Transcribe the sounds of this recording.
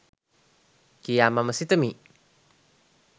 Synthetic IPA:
kijamaməsit̪əmi

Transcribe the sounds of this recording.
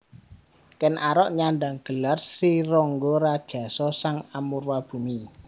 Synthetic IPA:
kɛnʔaɾɔʔɲandaŋɡ̥ə̤larsɾirɔŋɡɔɾad̥ʒ̥a̤sɔsaŋamurwab̥ṳmi

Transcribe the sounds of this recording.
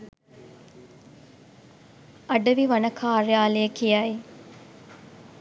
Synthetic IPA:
ɐɖɐʋiʋɐnɐkʰaːɾejaːleəkijaji

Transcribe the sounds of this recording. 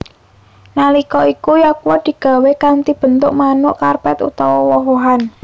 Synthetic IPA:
nalikɔikujakwɔd̪̥i̤ɡ̥a̤wekant̪ib̥ə̤nt̪ʊʔmanʊʔkarpɛt̪ṵt̪awɔwɔɦoɦan

